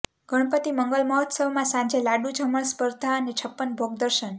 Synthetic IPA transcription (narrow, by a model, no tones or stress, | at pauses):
ɡ̥ʱəɽ̃pət̪iməŋɡəlməɦɔt̪səwmãsãd͡ʒelaɖud͡ʒʱəməɳspəɾd̪ʱaənet͡ʃʰəpːənbʱoɡd̪əɾʃən